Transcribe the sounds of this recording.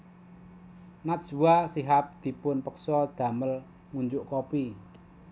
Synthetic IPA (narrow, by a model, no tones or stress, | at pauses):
nat̪̚ʒ̥ṳwasiɦap̚d̪̥i̤pʊnpəksɔd̪̥ä̤məl | ŋuɲd͡ʒʊʔkopi